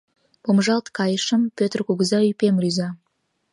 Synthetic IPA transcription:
b̥omʒɑlˠt̪kɑjəʃəmpʲøt̪rkuɡəzɑypʲemɾʲyzɑ

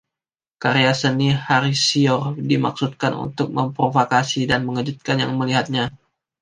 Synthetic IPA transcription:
kaɾeasənihaɾisiɔrdima̰k̚sut̪̚kanṵnt̪ʊk̚məmpɾovokasidanməŋəd͡ʒut̪̚kanja̰ŋməliɦat̪̚ɲa

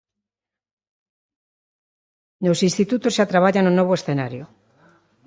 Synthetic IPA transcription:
nosĩnst̪it̪ut̪ozʃat̪ɾaβ̞aʎanonoβoesθenaɾjo

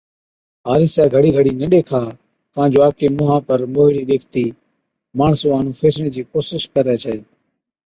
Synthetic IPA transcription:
ɦaːɾiːsaːɡʱəɽiːɡʱəɽiːnəɗeːkʰaː | t̪ãːnd͡ʒoːaːkeːmʊːɦãːpəɾmoːɦiɾiːɗeːkʰt̪iː | maːɳsõːaːnũːfʰeːsɽẽːd͡ʒiːkoːsɪʃkəɾɛːt͡ʃʰɛː

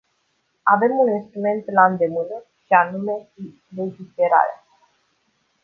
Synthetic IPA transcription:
ave̞muninst̪ɾume̞nt̪land̪e̞mɨnə | ʃianume̞ | le̞d͡ʒife̞ɾa̰ɾea

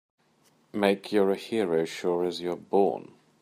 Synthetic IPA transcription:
meɪkʰjəɹəhiɹoʊʃɔɹəzjəbɔ̰ːn

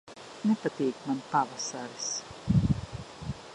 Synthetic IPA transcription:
nɛpat̪iːkmanpavasaɾis

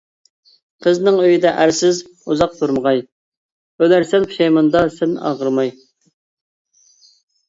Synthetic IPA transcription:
qʰəznɨŋøjid̪ɛʔæɾsɪz | uzɑq̚t̪ʰuɾməʁɑj | ølæɾsɛnpʰu̥ʃɑjmɑnd̪ɑsɛnɑ̰ʁəɾmɑj

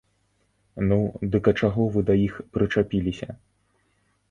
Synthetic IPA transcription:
nud̪ɨkɐt͡ʂaɣɔvɨd̪ɐjixpɾɨt͡ʂapʲilʲisʲɐ

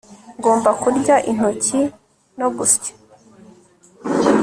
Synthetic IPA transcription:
ŋɡo̞ːmbakuɾɟaʔin̥oci | noɡuscḁ

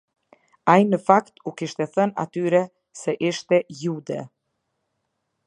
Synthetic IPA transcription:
ajnəfakt̪ukiʃt̪ɛθəna̰t̪yɾɛ | sɛʔiʃt̪ɛjud̪ɛ̰

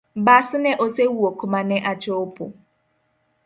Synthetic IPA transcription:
basɪnɛʔosewuokʰʊmanɛʔat͡ʃɔopʊ̰

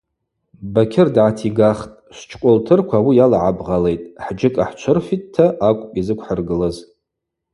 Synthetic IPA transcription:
bakʲʰɪrdʕatʰiɡaχtʼʃʷt͡ʃʰkʷʼʊltʰɨrkʷʰaːwijalaʕabʁale̞jtʼħd͡ʒɪkʼaħt͡ʃʷʰʊrfittʰːaʔakʷʼpʼizɨkʷʰħərɡɨlɨz

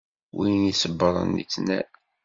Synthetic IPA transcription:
winisəbːəɾˤə̰nːḭt͡sːnæ̰

